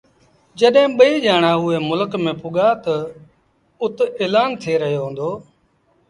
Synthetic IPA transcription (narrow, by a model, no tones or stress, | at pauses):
d͡ʒəɗɦẽːɓəiːʄaːɳ̃aːʊeːmʊləkmẽːpʊɠaːt̪ə | ʊt̪eːlaːnt̪ʰeːɾəɦjoːɦõːnd̪oː